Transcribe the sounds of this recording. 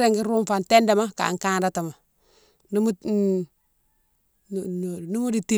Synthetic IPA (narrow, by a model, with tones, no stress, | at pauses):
ɾe˦ŋɡi˦ɾu˦mfa˨nte˦ndɛ˨ma˦ka̰˨ŋka˦nɾa˦ta˨ma˨ | nu˦mu˦ | nu˦mu˦di˨ti˦